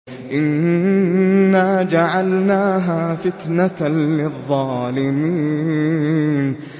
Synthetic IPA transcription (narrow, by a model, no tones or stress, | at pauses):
ʔɪn | aːd͡ʒaʕalnaːɦaːfɪt̪nalɪðˤːɑːlɪmiː | n